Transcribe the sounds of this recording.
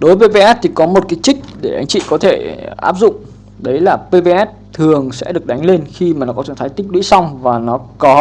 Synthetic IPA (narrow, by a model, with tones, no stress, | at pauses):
ɗo˨˦vəː˨˦jve˧˦ʔɛ˦˥t̚t̪ʰi˨˩kɔ˨˦mo˨˩t̚kaː˨˦jt͡ɕï˦˥k̟̚ɗe˧˩ʔa˨˦jŋ̟t͡ɕḭ˧˨kɔ˨˦t̪ʰe˧˩ʔaː˦˥p̚zʊ̰˧˨ŋ͡m | ɗə˨˦jlaː˨˩pe˧ve˧ʔɛ˦˥t̚t̪ʰɨ˨˩əŋsɛ̰˧˥ɗɨ˨˩ək̚ɗa˨˦jŋ̟le˧nxi˧maː˨˩nɔ˨˦kɔ˨˦t͡ɕə˧˩ŋt̪ʰaː˨˦jt̪i˦˥ɗwḭ˧˥sa˧wŋ͡mvaː˨˩nɔ˨˦kɔ˨˦